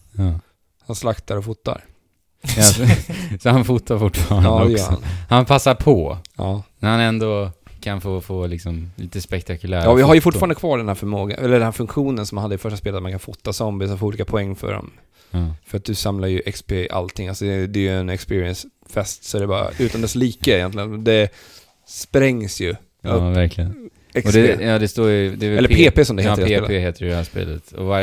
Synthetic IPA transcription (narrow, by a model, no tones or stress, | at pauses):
hanslakt̪ʰaɾɔfuːt̪ːa̰ɾ | sɔhanfuːt̪ːaɾfʊʈːfɑːɾaːdɔɛjːɾhaɔ̰nhanpʰasːaɾpʰɔɑːnɛhanɛnd̪ɔkʰanfofoːlɪksɔmliːt̪əspɛkt̪ʰakɵlæːɾɑːvɪɦaɾjɵfʊʈ̬ːfːɾand̪kʰvɑːɖɛnhæːɾfœɾmoːɡa̰ʔɛləɾɖɛnhæɾfɵŋkɧuːnənsɔmanhad̪ːɪfœʂʈaspeːlət̪maŋkʰanfut̪ːasɔmbɪsɔfoːɾuliːkapʰɔɛŋːfœ̰ɖɔ̰m | fœɾat̪̚d̪ɵsamlaɾjɵʔɛkspeʔa̰lt̪ʰɪŋːalsɔd̪ɛd̪ɛːjɛnɛkspɪːɾɪɛns | fɛst̪sɔæɾɛbɑːɾa̰ʉ̟ːt̪ʰand̪ɛsliːkəɪjɛ̰nt̪lɪɡənd̪ɛ | spɾɛŋːsjɵ | væɾklɪən | ɛɔdɛɑːd̪ɛst̪oːɾjd̪ɛɛlːəɾpʰeːpeːsɔmd̪ɛheːt̪ɾleheːt̪əɾd̪ɛhæːʂpḛːlət̪ɔ̰va